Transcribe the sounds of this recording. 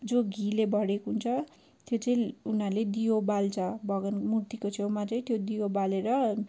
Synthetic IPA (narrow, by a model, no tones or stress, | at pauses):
d͡zoɡʱilebʱʌɽekɦunt͡sʰʌ | t̪jot͡sʌĩunaɾrled̪ijobalt͡sʰʌbʱʌɡʌnmurt̪ikot͡sʰewmat̪ʌĩt̪jod̪ijobaleɾʌ